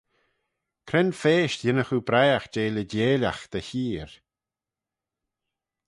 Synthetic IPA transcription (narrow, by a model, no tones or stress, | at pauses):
kʰɾɛnfeːʃtjɪnəxubɾajaxd͡ʒeːlədeːlʲaxd̪̥əçiːɹ